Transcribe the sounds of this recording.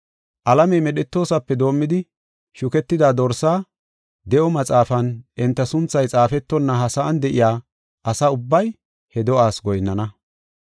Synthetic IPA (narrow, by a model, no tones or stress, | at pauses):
ʔɐlɐmɛjmɛɗɛt̪ːo̞ːsɐpːɛd̪o̞ːmːɪd̪ɪ | ʃʊkɛt̪ːɪd̪aːd̪ɔɾsaː | d̪ɛʔɔmɐt͡sʼaːfɐnʔɪnt̪ːɐsʊnt͡sːɐjt͡sʼaːfɛt̪ːɔnːɐɦɐsaːnd̪ɛʔɪjaː | ʔɐsaʊbːɐj | hɛd̪ɔʔaːsɡɔjnːɐnɐ